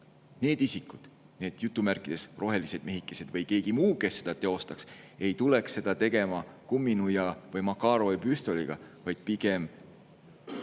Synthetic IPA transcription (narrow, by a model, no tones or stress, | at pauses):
ne̞ːd̪isikːud̪̥ | ne̞ːd̪̥jut̪ːˑumærkˑid̪̥e̞srʔo̞ɦe̞lise̞d̪̥me̞ɦikːˑese̞d̪vɤjke̞ːɡ̥imuːke̞sːe̞d̪̥ɑt̪e̞o̞st̪ɑkse̞jt̪uleksːe̞d̪̥ɑt̪e̞ɡ̥e̞mɑkumːinujɑvɤjmɑkːɑːɾo̞epyst̪o̞liɡ̥ɑ̰vɑjd̪̥̚piɡ̥e̞m